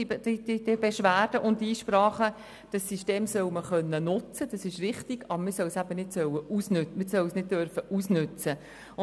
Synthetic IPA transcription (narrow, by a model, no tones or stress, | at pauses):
didɪdebeʃʋæːɾd̥əʔʊndiːʃpɾɑːχə | d̥ɑsːiʃteːmsœwməχœnːənʊt͡səd̥ɑsɪʃrɪχtɪɡ̥ɑbɾmɪɾsœwsæbənɪdsœwəusnʉmɪsœwsnɪd̚døɾfəʔusnʉt͡sə | ʊ